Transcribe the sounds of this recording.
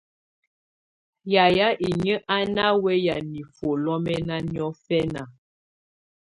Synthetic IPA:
ja˨ja˦ʔi˨ɲə˦ʔa˦na˦wɛ˦ja˨ni˨fo˨lɔ˦mɛ˦na˦njɔ˦fɛ˦na˨

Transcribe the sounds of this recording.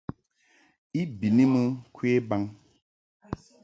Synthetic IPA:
i˦bi˨ni˦mə˦kwe˦ba˦ŋ

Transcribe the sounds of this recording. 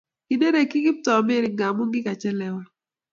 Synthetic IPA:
kɪ˨ne˦ɾe˨kɪ˦ɡɪ˦p̚tɔ˨mɪ˦ɾɪ˨ŋɡa˨mu˦ŋɡɪ˦ka˨t͡ʃɛ˦lɛ˨wa˦

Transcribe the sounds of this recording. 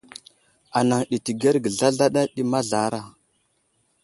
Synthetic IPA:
a˨na˨ŋɗi˨ti˨ɡe˦ɾɡə˨ɮa˦ɮa˦ɗa˦ɗi˦ma˦ɮa˨˦ɾa˦˨

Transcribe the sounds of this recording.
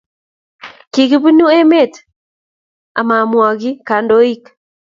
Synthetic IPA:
ki˨ki˦bi˦nu˦e˦me˦˨t | a˨ma˨mwɔ˨ki˦ka˨ndo˦i˦k

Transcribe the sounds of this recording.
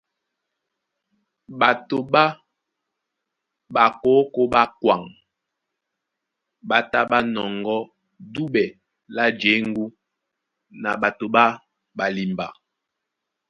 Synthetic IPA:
ɓa˨to˨ɓa˦ | ɓa˨ko˨˦ko˦ɓa˦kwa˨ŋ | ɓa˨ta˦ɓa˦nɔ˨ŋɡɔ˦ | du˦ɓɛ˨ | la˦d͡ʒe˨˦ŋ˦ɡu˦ | na̰˨ɓa˨to˨ɓa˦ | ɓa˨li˨mba˨

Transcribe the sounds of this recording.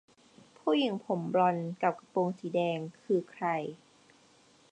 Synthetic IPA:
pʰuː˥˩ji˨˩˦ŋpʰo˩˦mbɾɔ˧nka˨˩p̚ka˧poː˧ŋsiː˩˦dɛː˧ŋkʰɯː˧kʰɾa˧j

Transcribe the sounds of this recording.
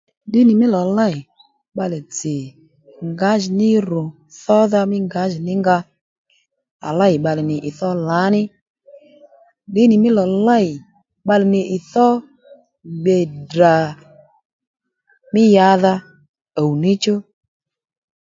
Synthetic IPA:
ɗɪ˨˦nɪ˨mɪ˦lɔ˨la˦˨ɪ˨ | ɓa˧lɛ˨t͡sɪ˨ | ŋɡa˨˦ʒɪ˨nɪ˦ɾʊ˨ | θɔ˦ða˧mɪ˦ŋɡa˨˦ʒɪ˨nɪ˦ŋɡa˧ | a̰˨la˦˨jɪ˨ɓa˧lɪ˨nɪ˨ʔɪ˨θɔ˦la˨˦nɪ˦ | ɗɪ˨˦nɪ˨mɪ˦lɔ˨la˦˨ɪ˨ | ɓa˧lɪ˨nɪ˨ʔɪ˨θɔ˦ | ɡ͡be˨da˨ | mɪ˦ja˨˦ða˧ | a˨wu˨ni˦t͡ʃo˦

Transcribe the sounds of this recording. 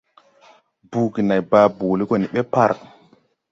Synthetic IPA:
bu˨ki˨na˨jbaː˨bu˨li˦ko˦˨ni˨ɓe˦pa˦ɾ

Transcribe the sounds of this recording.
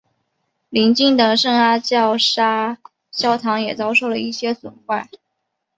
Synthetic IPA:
li˧˥nt͡ɕi˥˩ŋd̪ə˨˩ʂɤ˥˩ŋa˥t͡ɕjɑ˥˩ʊʂa˥ | ɕjɑ˥ʊt̪ʰɑ˧˥ŋjɛ˨˩t͡sɑ˥ʊʂo˥˩ʊlə˩i˥˩ɕjɛ˥swʊ̰˨˩nxwa˥˩ɪ

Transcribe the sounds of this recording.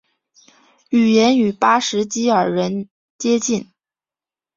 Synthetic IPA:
y˨˩jɛ˧˥ny˨˩pa˥ʂɻ̩˧˥t͡ɕi˥ə˞˨˩ɻə˧˥n | t͡ɕjɛ˥t͡ɕi˥˩n

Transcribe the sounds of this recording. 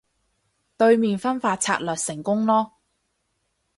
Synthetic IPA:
t̪ɵ˧ɥmiː˨nfɐ˥nfaː˧t̚t͡sʰaː˧t̚lœː˨t̚sɪ˨˩ŋkʊ˥ŋlɔː˥

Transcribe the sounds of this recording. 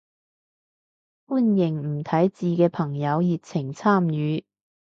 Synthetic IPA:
fuː˥njɪ˨˩ŋm̩˨˩t̪ʰɐ˨˥jt͡siː˨˧kɛː˧pʰɐ˨˩ŋjɐ˨˧wji˨t̚t͡sʰɪ˨˩ŋt͡sʰaː˥˩mjyː˨˧˦

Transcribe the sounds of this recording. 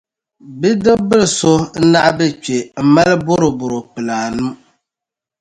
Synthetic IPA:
bi˦dɨ˦bɨ˦lso˦n̩˦na˦ʔbɛ˦t͡ʃe˨m̩˨ma˦lbʊ˦ɾo˨bʊ˨ɾo˨k͡pɨ˨laː˨nɨ˦m

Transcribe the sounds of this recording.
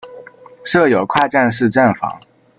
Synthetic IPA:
ʂɤ˥˩jo˨˩ʊkʰwa˥˧ʈ͡ʂa˥˧nʂ̬ɻ̩˥˧ʈ͡ʂa˥˩nfɑ̰˧˥˦ŋ

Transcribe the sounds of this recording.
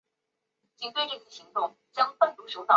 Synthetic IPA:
t͡ɕi˧˥ŋt̪we˥˧i˥˩i˧˩ɕi˧˥ŋt̪ʊ˥˩ŋ | t͡ɕjɑ˥ŋpə˥˩nt̪u˧˥ʂo˥ʊt̪ɑ˥˩

